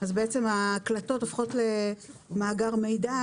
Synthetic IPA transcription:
azbeet͡semaːklato̞tofχo̞tlemaːɡaʁme̞jda

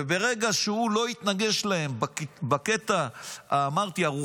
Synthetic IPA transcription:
ebe̞ʁeɡaʃeulo̞it̪naɡe̞ʃlae̞mbakbake̞t̪aaːmaʁt̪iaʁu

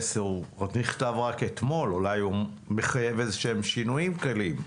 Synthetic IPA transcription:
seuaniχt̪avʁake̞t̪mo̞lulaju | me̞χaje̞vezeʃemʃinuimkalim

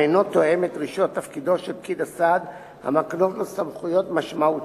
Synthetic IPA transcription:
ejno̞t̪o̞e̞met̪ʁiʃot̪ːafkid̪o̞ʃelp̚kid̪asad̪ | ha̰makno̞tlesamχujo̞t̪maʃmaut

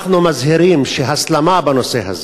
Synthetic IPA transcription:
χnumazɦiɾimʃeɦaslamabanoseɦa̰z

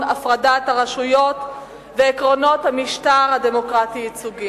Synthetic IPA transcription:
afʁadat̪haʁaʃujo̞t̪ | veːkʁo̞no̞t̪hamiʃtaʁhademo̞kʁatiit͡suɡi

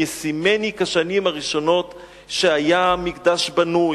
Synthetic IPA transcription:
esime̞nikaʃanimaʁiʃo̞no̞t | ʃe̞ajamikd̪aʃbanu

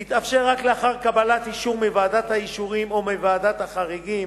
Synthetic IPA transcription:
hit̪afʃeʁːakleaχaʁkabalat̪iʃuʁmivaːdat̪haiʃuʁimomevaːd̪at̪haχaʁiɡim

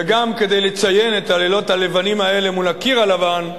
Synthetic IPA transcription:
eɡamke̞d̪e̞jle̞t͡saje̞net̪alelo̞tale̞vanimae̞le̞mulakiʁalavan

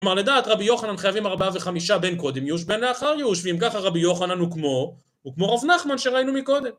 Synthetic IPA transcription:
omaʁled̪aːt̪ʁabijo̞χananχajavimaʁbaave̞χamiʃabe̞nko̞d̪emjuʃ̬be̞nle̞aχaʁjeuʃveimkaχaʁabijo̞χananukmo̞ | ukmo̞ʁavnaχmanʃe̞ʁainumiko̞d̪e̞m

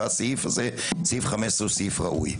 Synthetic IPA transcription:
asifaze | sifχamɛsusifʁaʔṵj

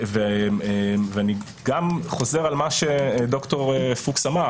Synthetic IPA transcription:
veeveani | ɡamχo̞ze̞ʁalmaʃed̪okto̞ʁefuksama

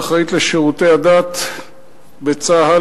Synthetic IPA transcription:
χait̪leʃeʁut̪ehad̪at̪ | bet͡saɦa

